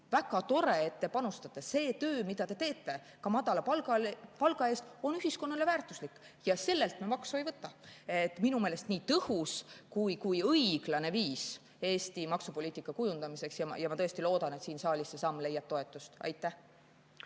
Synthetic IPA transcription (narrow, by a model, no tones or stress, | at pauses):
væɡ̥ɑt̪o̞ɾe̞et̪ːe̞pɑnust̪ɑt̪ːˑese̞ːt̪øːmid̪̥ɑt̪e̞t̪e̞ːt̪ˑːe̞ | kɑmɑd̪̥ɑlɑpɑlɑpɑlɡ̥ɑe̞ːst̪o̞nyɦisko̞nːɑle̞væːrt̪ːˑuslikː | jɑse̞lːe̞lt̪memɑksuejvɤt̪ːˑɑet̪ːˑminumeːle̞st̪niːt̪ɤhuskujkujɤjɡ̥lɑne̞viːs | e̞ːst̪imɑksupo̞liːt̪ːˑikːˑɑkujund̪̥ɑmise̞ksjɑ̰jɑmɑt̪ɤest̪ilo̞ːd̪̥ɑne̞t̪siːnsɑːlʲisːesɑmːle̞jːɑb̥̚t̪o̞e̞t̪ːˑust̪ɑ̰jt̪ːˑæh